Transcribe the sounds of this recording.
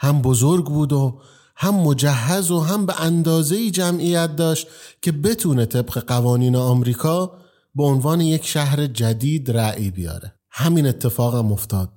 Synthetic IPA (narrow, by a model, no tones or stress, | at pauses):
hæmbozoɾɡbuːd̪o | hæmːo̞d͡ʒæɦːæzoɦæmbe̞ʔænd̪ɒːze̞iːd͡ʒæmʔijæt̪̚d̪ɒːʃt̪cʰe̞be̞t̪ʰuːnet̪ʰe̞bɢe̞ɢævɒːniːneɒːmɾiːkʰɒː | be̞onvɒːneje̞cʰʃæhɾed͡ʒæd̪iːd̪ɾæʔibijɒ̰ːɾe̞ | hæmiːne̞t̪ʰːe̞fɒːɣæmo̞ft̪ʰɒːd̪̥̚